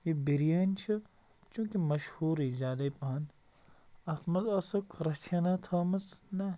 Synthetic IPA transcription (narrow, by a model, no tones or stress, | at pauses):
jibiɾijɐːnʲt͡ʃʰɨ | t͡ʃũːkimɐʃhuːɾizʲaːd̪ɐjpɐɦɐn | ɐt̪ʰmɐzɐsɨkɾɐtʰɐnat̪ʰɐːmɐsnɐ